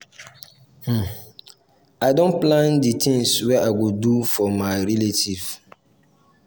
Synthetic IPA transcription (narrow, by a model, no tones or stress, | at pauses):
h̩ | aɪdõnplãnditʰɪ̃ŋswɛʔaɡodufɔmãɪɾiletʰiv̥